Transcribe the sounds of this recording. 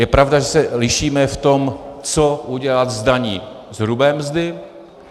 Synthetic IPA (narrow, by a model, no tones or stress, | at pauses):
jɛpɾavdaʒɛsɛlɪʃiːmɛft̪o̞mt͡so̞uɟɛlat̪zdaɲiː | zɦɾubɛːmzdɪ